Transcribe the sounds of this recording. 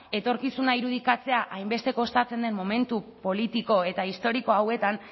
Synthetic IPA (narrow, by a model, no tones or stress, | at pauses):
e̞t̪o̞ɾkisunaiɾuð̞ikat͡se̞aʔajmbe̞st̪e̞ko̞st̪at͡se̞nd̪e̞nmo̞me̞nt̪upo̞lit̪iko̞e̞t̪aist̪o̞ɾiko̞awe̞t̪an